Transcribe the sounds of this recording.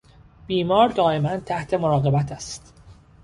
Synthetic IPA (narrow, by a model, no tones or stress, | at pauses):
b̥iːmɒːɾd̪ɒːe̞mænd̪̚t̪ʰæht̪ʰe̞moɾɒːɣe̞bæt̪ʰæst̪